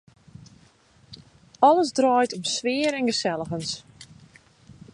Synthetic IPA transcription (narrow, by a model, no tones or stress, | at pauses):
ɔləzdrɔːjtɔmsʋɪəɾɛnɡəsɛlˠəɣəns